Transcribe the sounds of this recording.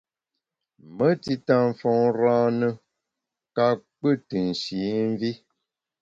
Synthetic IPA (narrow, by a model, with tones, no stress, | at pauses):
mə˦ti˦ta˦˨ɱ˨fɔ˨˦ŋɾãː˦nə˦ | ka˦k͡pə˦˨tɨ˨n̩˨ʃi˨˦ɱ˦vi˦